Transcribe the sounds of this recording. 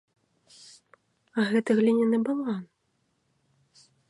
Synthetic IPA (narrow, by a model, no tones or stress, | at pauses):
aɣɛt̪ɨɣlʲinʲɛnɨbɨlˠan